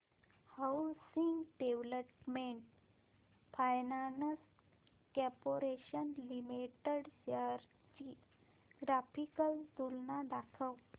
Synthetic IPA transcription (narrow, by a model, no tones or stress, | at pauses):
hawsiŋɡɖeʋləpmeɳʈ | fajnans | kɛpoɾeɕənlimiʈəɽɕaɾ | t͡ɕi | ɡɾafikəld̪ulnad̪akʰəw